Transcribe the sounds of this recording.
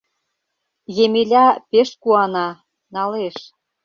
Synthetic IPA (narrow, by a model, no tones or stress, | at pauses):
jemelʲɑpeʃkuɑnɑ | nɑleʃ